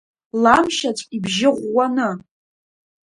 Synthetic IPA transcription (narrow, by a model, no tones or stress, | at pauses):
lamʃat͡sʷʼibʒɪʁʷːanɨ